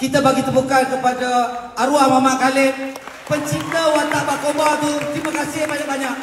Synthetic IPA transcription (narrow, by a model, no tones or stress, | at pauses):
kit̪abaɡit̪əbukankəpadaaɾuahmamaʔkalen | pəɲt͡ʃit̪awant̪aʔbakobat̪ut̪ɾimakasɪbaɲak̚baɲak̚